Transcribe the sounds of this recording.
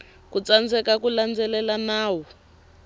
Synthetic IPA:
kut͡sand͡zɛkakuland͡zɛlɛlanaːwɔ

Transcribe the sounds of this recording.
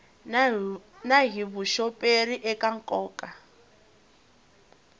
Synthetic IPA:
naɦiβuʃɔpʼeriʔɛkaŋkʼɔːkʼa

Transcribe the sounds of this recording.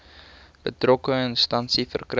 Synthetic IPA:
b̥ətrɔkəənstɐnsifə̰rkr

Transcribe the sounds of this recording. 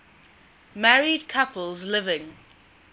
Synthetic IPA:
mæɹid̚kʰʌpʰəlˠzlɪvɪ̃ŋ

